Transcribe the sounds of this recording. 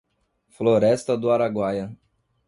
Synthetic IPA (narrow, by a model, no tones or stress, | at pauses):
floɾɛst̪ɐd̪ʊaɾaɡwajɐ